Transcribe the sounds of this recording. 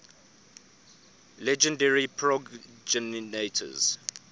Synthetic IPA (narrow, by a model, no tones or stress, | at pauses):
lɛd͡ʒə̃ndɛɹipʰɹɔɡd͡ʒɛnnetʰə̰z̥